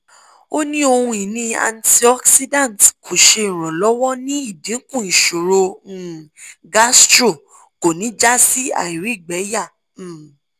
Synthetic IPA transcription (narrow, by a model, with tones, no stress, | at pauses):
o˦nĩ˦o˧hũ˧i˨nĩ˧a̰˧nti˧ɔ˦ksi˦dã˦˨n˨tkʰo˨ʃe˧i˨ɾ̃ɔ̃˨lɔ˨˦wɔ˦nĩ˦i˦˨bĩ˨˦kũ˦˨ĩ˨ʃo˨ɾo˧˨ | ɡa˦stɾo˦˨ | ko˨nĩ˨˦d͡ʒa˦si˦a̰˦˨i˨ɾi˦˨ɡ͡bɛ˨˦ja˦˨